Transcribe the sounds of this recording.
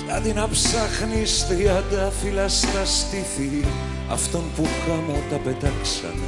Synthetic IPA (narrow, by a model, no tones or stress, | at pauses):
t̪ad̪inapsaχnist̪iad̪afilast̪ast̪iθi | a̰ft̪ompukamot̪apet̪aksa̰